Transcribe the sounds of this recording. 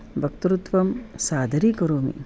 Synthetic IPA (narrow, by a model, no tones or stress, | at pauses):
bʱɐkt̪uɾut̪ʋɐmsaːd̪ʱɐɾikɐɾoːmḭ